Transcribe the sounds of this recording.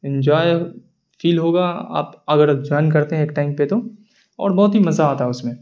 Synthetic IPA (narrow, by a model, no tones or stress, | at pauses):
ɪ̃nd͡ʒaːje | fiːlɦoːɡaːa̰ːpɐɡəɾd͡ʒɔːɪnkɐɾt̪eɦɛ̃eːk̚ʈaːɪmpet̪o | ɔ̰ːɾbɔɦːt̪ɦimɐzaːt̪aɦɛʊsmẽ